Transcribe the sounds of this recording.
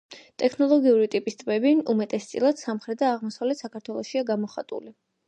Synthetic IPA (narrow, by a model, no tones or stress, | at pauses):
t̪ʼɛkʰnɔlˠɔɡiuɾit̪ʼipʼist̪ʼbɛbiumɛt̪ʼɛst̪sʼilˠad̪̥samχɾɛd̪aːʁmɔsavlɛt̪ʰsakʰaɾt̪ʰwɛlˠɔʃiaɡamɔχat̪ʼṵli